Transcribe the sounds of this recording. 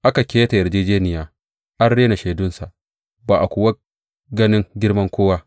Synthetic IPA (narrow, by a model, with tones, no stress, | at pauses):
ʔa˦ka˨kʲeː˦ta˨jɐ˨ɾd͡ʒeː˦d͡ʒeː˦nɪ˨jaː˨ | ʔa˦nɽeː˦na˨ʃeː˨dʊ˦nsa˨ʔ | baː˨ʔa˨kʷʊ˨wɐ˦ | ɡɐ˦nɪ˦ŋɡʲɪ˦ɽmɐ˦ŋkʷoː˦wa˦